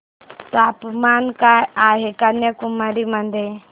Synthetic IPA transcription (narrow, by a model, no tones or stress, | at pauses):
t̪apmankajaɦekanjəkumaɾimənd̪ʱe